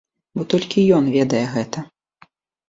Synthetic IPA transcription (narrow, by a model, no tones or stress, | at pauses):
bɔt̪ɔlʲkʲijɔnvʲɛd̪ɐjɛɣɛt̪ɐ